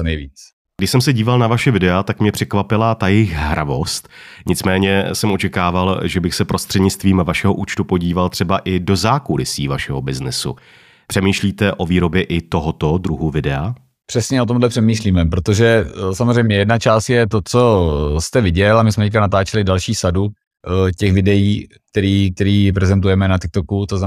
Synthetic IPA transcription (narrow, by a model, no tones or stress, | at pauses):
nɛjviːt͡s | ɡdɪʃsɛmsɛɟiːvalnavaʃɛvɪdɛat̪akmɲɛpr̝̥ɛkvapɪlat̪ajɛjɪxɦɾavo̞st̪ɲɪt͡smɛːɲɛsɛmʔo̞t͡ʃɛkaːvalʒɛbɪxsɛpɾʔost̪r̝̥ɛdɲɪt͡st̪viːmvaʃɛɦoʔuːt͡ʃt̪upo̞ɟiːvalt̪r̥ɛbaʔɪdo̞zaːkulɪsiːvaʃɛɦobɪznɪsṵ | pr̥ɛmiːʃliːt̪ɛʔo̞viːɾo̞bjɛʔɪt̪o̞ɦot̪od̪ɾuɦuvɪdɛa | pr̥ɛsɲɛʔo̞t̪̬o̞mdlɛpr̥ɛmiːʃliːmɛpɾo̞t̪o̞ʒɛsamozr̝ɛjmɲɛjɛdnat͡ʃaːst̪jɛt̪o̞t͡so̞st̪ɛvɪɟɛlamɪsmɛickanat̪aːt͡ʃɛlɪdalʃiːsadu | cɛxvɪdɛjiː | k̚t̪ɛɾiːk̚t̪ɛɾiːpɾɛzɛnt̪̬ujɛmɛnat̪ɪk̚t̪okut̪ozna